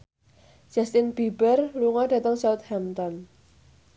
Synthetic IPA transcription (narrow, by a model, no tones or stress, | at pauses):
d͡ʒ̥a̤st̪ɪnb̥ibərluŋɔd̥ä̤t̪əŋsawʊt̪̚hamt̪ɔn